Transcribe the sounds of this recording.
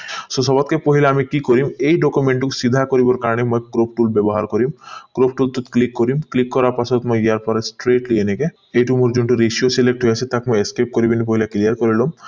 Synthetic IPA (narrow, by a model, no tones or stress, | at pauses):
sosɔbat̪kepoɦilaamikikoɾimejɖɔkumeɳʈuksid̪ʱakoɾibɔɾkaɾɔnemɔjkɾop̚ʈulbɛbɔɦa̰ɾkɔɾimkɾop̚ʈult̪ut̪klikːoɾimklikːɔɾaɾpasɔt̪mɔjjaɾpɔɾesʈɾeʈlieneke | ejʈumoɾd͡ʒuɳʈuɾesiosilek̚ʈɦojasʰet̪akmɔjeskep̚koɾibenipoɦilaklijaɾkɔɾilom